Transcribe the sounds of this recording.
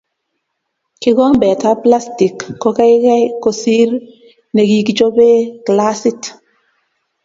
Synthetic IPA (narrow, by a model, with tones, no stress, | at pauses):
kɪ˦ɡɔ˦ŋbɛ˨ta˦pla˦sti˨kːo˦ka˦ɪ˦kɛ˦ko˨si˦ɾ | ne˨ɡi˨kd͡ʒo˦be˦kla˦si˦t